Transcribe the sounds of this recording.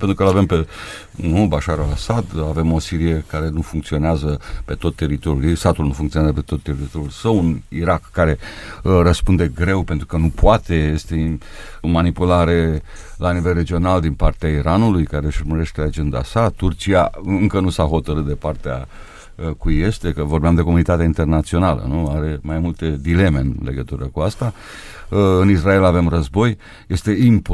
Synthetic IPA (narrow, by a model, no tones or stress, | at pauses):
pent̪ɾukəlavempe̞ | nubaʃaɾalasad̪ave̞mo̞siɾijekaɾe̞nufuŋkt̪sio̞neazəpe̞t̪o̞t̪ːe̞ɾit̪o̞ɾʲjuljesat̪ulnufuŋkt̪ioazəpe̞t̪o̞t̪ːe̞ɾit̪o̞ɾjulsəwuniɾakːaɾe̞rəspund̪e̞ɡɾe̞wpe̞nt̪ɾukənupoat̪e̞je̞st̪e | manipulaɾe̞ | lanivelre̞d͡ʒio̞nald̪inpart̪eaiɾʔanulujkaɾe̞ʃurməɾe̞ʃt̪e̞ad͡ʒe̞nd̪a̰sat̪urt͡ʃiaɨŋkənusaɦo̞t̪əɾɨt̪̚d̪e̞part̪ea̰ | kujest̪e̞kəvo̞rbeamd̪e̞ko̞munit̪at̪eaint̪e̞rnat̪sio̞nalə̰nuaɾe̞majmult̪e̞d̪ile̞me̞ɨnle̞̰ɡət̪uɾəkuast̪a | ɨnisrae̞lave̞mrəzbo̞j | je̞st̪e̞imp